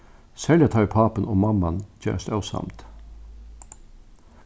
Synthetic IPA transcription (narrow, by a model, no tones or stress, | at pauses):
sɛljət̪ʰɑʏpʰɑːpənɔːmɑmɑnd͡ʒœ̰ːst̪œʊsɑ̰mt̪